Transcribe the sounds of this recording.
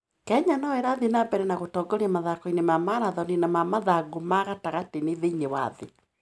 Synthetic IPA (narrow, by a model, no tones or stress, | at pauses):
kɛɲanɔeɾaðenabɛɾɛnaɣotɔːɡoɾiɛmaðakɔinemamaɾaðɔninamamaðaɡomaɣataɣateneðeiɲewaðe